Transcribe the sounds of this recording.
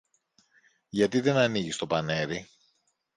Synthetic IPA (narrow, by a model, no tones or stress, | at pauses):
ʝɐt̪iðe̞nɐniʝist̪o̞pɐne̞ɾi